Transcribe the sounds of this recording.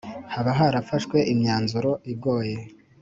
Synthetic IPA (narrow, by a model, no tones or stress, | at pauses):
haβaɦaɾafaʃkwe̞ʔimɲaːnzuɾo̞ʔib̚ɡo̞ːje̞